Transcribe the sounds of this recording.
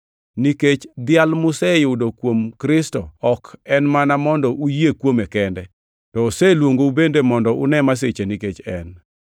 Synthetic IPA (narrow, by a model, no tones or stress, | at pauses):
niket͡ʃd̪ɪalmʊsɛjʊdokwomkɾɪstɔɔkɛnmanamɔndɔʔujekwomekɛndɛ | tɔːsɛlwoŋɡoubendemɔndɔʔʊ̰nɛmas̬et͡ʃeniket͡ʃɛn